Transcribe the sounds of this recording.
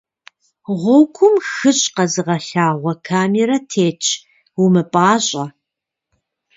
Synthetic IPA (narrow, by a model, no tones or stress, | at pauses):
ʁʷɔwkʷʰʊmxɨɕʼqɐzɨʁɐɬaːʁʷɔkʰaːmeɾɐtʰeːt͡ʃʰ | wumɨpʼaːɕʼɐ